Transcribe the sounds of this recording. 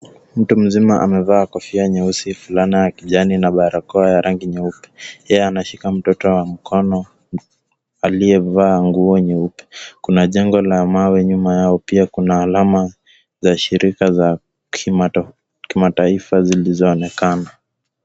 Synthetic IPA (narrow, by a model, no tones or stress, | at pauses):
m̩tum̩zimaʔa̰mɛvaːkɔfiaɲɛusifulanijakiʄaninaɓaɾakɔajaɾʔaŋɡiɲɛupɛ̥jɛjɛanaʃikam̩tɔtɔwam̩kʰɔnɔ | aliɛvaːŋɡuɔɲɛupɛ̥kunaʄɛŋɡɔlamawɛɲumajaɔpiakunaːlama | zaʃiɾʔikaza | k | kimataifazilizɔːnɛkana